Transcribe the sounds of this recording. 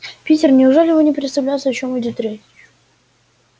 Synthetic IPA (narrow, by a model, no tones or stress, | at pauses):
pʲitʲɪrnʲɪʊʐɛlʲɪjɪvonʲɪpɾʲɪt̪st̪ɐvlʲæjtsəɐt͡ɕomɨdʲot̪ɾʲesʲ | ʊ